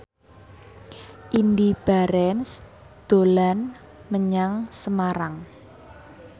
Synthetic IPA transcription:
ʔindib̥aɾɛns | d̪̥o̤lan | məɲaŋsəmaɾaŋ

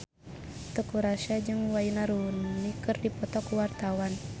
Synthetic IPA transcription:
t̪əkuɾaʃad͡ʒɨŋwainaɾunnikɨrdipɔt̪ɔkuwart̪awan

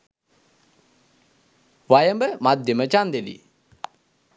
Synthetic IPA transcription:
ʋajəmbəmad̪jəmət͡ʃand̪elḭ

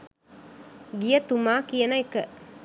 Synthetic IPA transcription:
ɡijɐt̪umaːkijɐnɐekːɐ

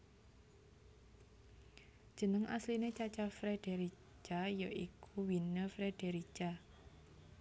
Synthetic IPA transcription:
d̥ʒ̥ə̤nəŋʔa̰slinet͡ʃat͡ʃafɾed̥eɾi | t͡ʃajoʔikʰuwinəfɾeɖ̥eɾit͡ʃa

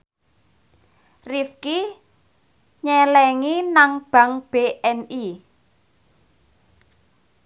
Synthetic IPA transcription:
rifki | ɲɛlɛŋinaŋb̥ä̤ŋb̥eʔɛni

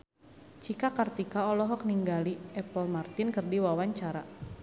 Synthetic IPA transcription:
t͡ʃikakart̪ikaɔlɔɦɔk̚niŋɡaliɛpɔlmart̪inkərdiwawaɲt͡ʃaɾa

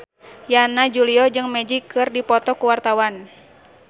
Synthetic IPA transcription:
janad͡ʒuliɔd͡ʒɨŋmɛd͡ʒikɨrdipɔt̪ɔkuwart̪awan

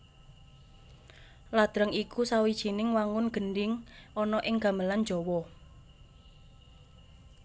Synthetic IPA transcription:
lad̪̥ɾəŋikusawid̥ʒ̥i̤nɪŋwaŋʊnɡ̥ə̤nɖɪŋʔɔnɔʔɪŋɡ̥a̤məlan̥ʒ̥ɔ̤wɔ

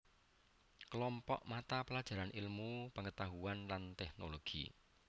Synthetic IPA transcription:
kəlɔmpɔ̰ʔmat̪apəlad̥ʒ̥a̤ɾanʔilmupəŋət̪aɦuanlant̪ɛhnoloɡ̥ḭ

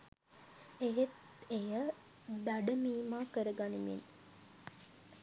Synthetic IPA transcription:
ejet̪ | ejə | d̪aɖəmiːmaːkəɾəɡanimḭn

